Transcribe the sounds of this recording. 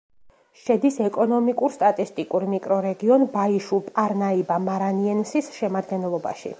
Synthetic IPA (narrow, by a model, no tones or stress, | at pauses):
ʃɛd̪isɛkʼɔnɔmikʼuɾst̪ʼat̪ʼist̪ʼikʼuɾmikʼɾɔɾɛɡiɔnbaiʃulˠpʼaɾnaibamaɾaniɛnsisʃɛmad̪ɡɛnɛlˠɔba̰ʃḭ